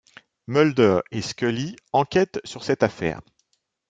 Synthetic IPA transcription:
mœld̪œʁeskʲœliɑ̃kʲɛt̪syʁsɛt̪afɛ̰ːʁ

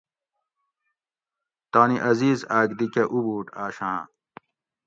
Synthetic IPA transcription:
t̪aːniʔɐziːzaːɡd̪ikeʔubuːʈaːɕã̰

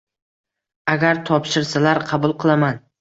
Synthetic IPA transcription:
aɡʲaɾt̪ʰɒpʃɪɾsalaɾqʰɑbʊlˠqɨlˠaman

